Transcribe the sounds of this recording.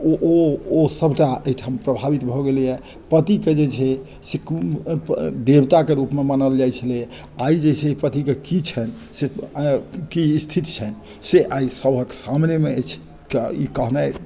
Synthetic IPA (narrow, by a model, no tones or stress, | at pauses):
oʔoːsəbʱʈaeiʈʰampɾəbʱabit̪bʱɔɡelijɛ | pət̪iked͡ʒet͡ʃʰɛ | sek | d̪ebt̪akeɾupmemanəld͡ʒajt͡ʃʰəle | aid͡ʒet͡ʃʰɛipət̪ikekit͡ʃʰɛn | se | kiːst̪ʰit̪t͡ʃʰɛn | seʔaisəbʱəksamnemet͡ʃʰ | kḭkəɦna